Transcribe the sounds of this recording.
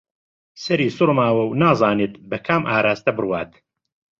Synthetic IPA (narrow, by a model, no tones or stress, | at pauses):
sɐɾiːsʊɾmaːwɐwnaːzaːneːt̪bɐkʰaːmʔaːɾaːst̪ɐbɨrwaːt̪